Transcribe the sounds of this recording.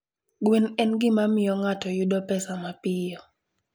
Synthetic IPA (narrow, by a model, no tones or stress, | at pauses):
ɡwenɛnɡɪmamɪjɔŋatɔjudɔpɛsamapɪjɔ